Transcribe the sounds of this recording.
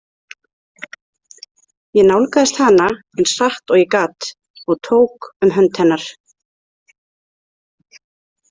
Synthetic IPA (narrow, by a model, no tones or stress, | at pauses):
jɛnawlkaðɪst̪hanːa | ɛnsaht̪ɔɣjɛkaːt̪ | ɔɣt̪ʰoːwkʏmɦœnt̪hɛnːaɾ̥